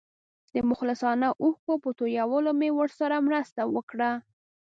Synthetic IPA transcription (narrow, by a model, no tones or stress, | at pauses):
d̪̥əmʊxlɪsɑnaʔuhkopət̪ojawəlomewəɾsaɾamɾəst̪awəkɽa